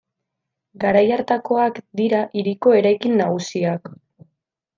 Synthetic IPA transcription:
ɡaɾajaɾt̪ako̞akd̪iɾaʔiɾikoe̞ɾajkinːaɣ̞usiak

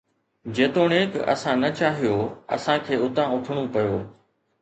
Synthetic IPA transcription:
d͡ʑeːt̪oːɽeːkɐ̰sãnɐt͡ɕaːɦijoːɐ̰sãkʰeːʊt̪ãʊʈʰəɽ̃upɐjoː

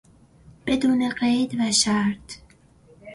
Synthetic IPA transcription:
b̥e̞d̪uːneɢejd̪væʃæɾt̪

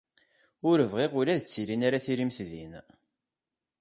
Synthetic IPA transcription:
ʊɾəvʁiʁʊlæðət͡sːilinaɾaθiɾimθðin

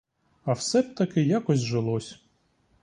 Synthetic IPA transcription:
ɐwsɛb̚ʲt̪ɐkɪjakɔsʲʒelˠɔsʲ

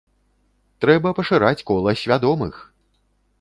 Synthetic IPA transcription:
t̪ɾɛbɐpɐʂɨɾat͡sʲkɔlˠɐsʲvʲad̪ɔmɨ̰x

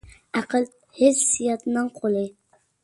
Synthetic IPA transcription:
æqʰəlˠ | hɪssijɑt̪ʰnɨŋqʰolˠɨ

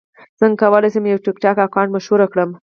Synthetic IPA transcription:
z̥əŋɡkawəlajsəmjawʈɪkʈɑkakɑnmaʃwuɾakɽəm

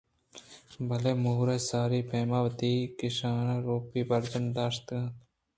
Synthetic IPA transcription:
bɐleːmuːɾesaːɾiːpʰeːmaːʋɐt̪iːkɪʃaːnaːɾoːpiːbɐɾd͡ʒənd̪aːʃt̪ɡãːt̪

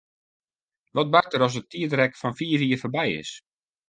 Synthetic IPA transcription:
ʋɔt̚bartəɾɔsətʰiədrɛkfɔnfiːfiərfərbɛjɪ̰s

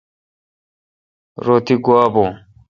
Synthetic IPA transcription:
ɾoːt̪iɡuaːbõː

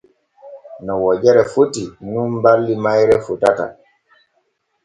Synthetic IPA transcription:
nɔwɔd͡ʒɛɾɛfutinunbalːimajɾɛfutata̰

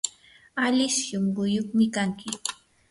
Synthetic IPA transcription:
aʎɪʃʃomɢʊjoχmɪkaŋkɪ

